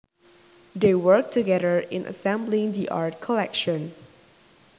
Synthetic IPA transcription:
dewək̚tʰuɡɛɾəɹɪ̰̃nʔə̰sɛ̃mblɪ̃ŋdiʔa̰ɹt̚kʰɔlɛkʃə̃n

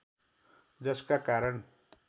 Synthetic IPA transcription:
d͡zʌskakaɾʌɳ

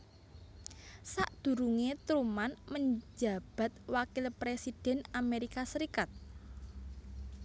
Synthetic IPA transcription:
saʔd̪̥ṳɾuŋet̪ɾumanməɲd͡ʒa̤b̥a̤t̪̚wakɪlpɾesid̥ɛ̤nameɾikasəɾikat̪̚

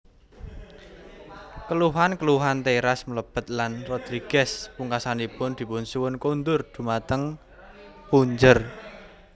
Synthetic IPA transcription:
kəluɦankəluɦant̪eɾasmələb̥ə̤t̪̚lanrɔd̪̥ɾiɡ̥ɛspuŋkasanipʊnd̪̥i̤pʊnsuwʊnkond̪ʊrd̪̥ṳmat̪əŋ | puɲd͡ʒər

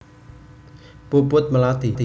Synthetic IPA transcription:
puəpuət̪̚məlaːt̪it̪i

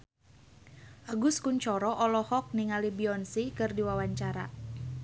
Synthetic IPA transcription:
ʔaɡuskuɲt͡ʃɔɾɔʔɔlɔhɔk̚niŋalibiɔnsikɨrdiwawaɲt͡ʃaɾa̰

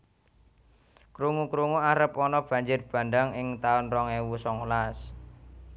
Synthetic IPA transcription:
kɾuŋukɾuŋuaɾəpɔnɔb̥a̤ɲd͡ʒɪrb̥a̤ndaŋɪŋt̪aʊnrɔŋewusɔŋulas

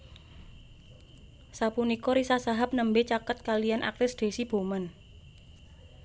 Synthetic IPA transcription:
sapunikɔɾisasaɦap̚nəmbet͡ʃakət̪̚kalijanʔa̰k̚t̪ɪsd̪̥e̤sib̥o̤mən

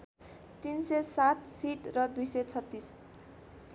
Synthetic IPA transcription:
t̪insesat̪̚siʈrʌd̪ujsʌjt͡sʰʌt̪ːis

